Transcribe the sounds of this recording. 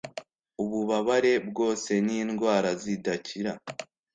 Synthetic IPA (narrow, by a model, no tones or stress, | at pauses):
uβuβaβaɾe̞bɡo̞ːse̞niːnɡwaːɾazidaciɾa